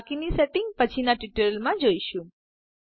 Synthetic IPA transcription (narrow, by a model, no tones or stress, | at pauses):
kiniseʈɪŋɡ̚pət͡ʃʰinaʈiʈəlmãd͡ʒoiʃũ